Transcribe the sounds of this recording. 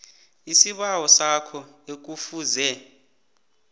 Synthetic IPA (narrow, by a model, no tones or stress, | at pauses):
isiɓawɔsakʰɔ | ek̬ufuːzɛ